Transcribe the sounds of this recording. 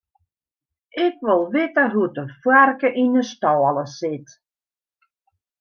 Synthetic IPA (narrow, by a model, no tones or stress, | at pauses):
ʔɪkʋɪlˠʋɪtəɦutəfwɛrkəʔinəstɔːlˠəsɪt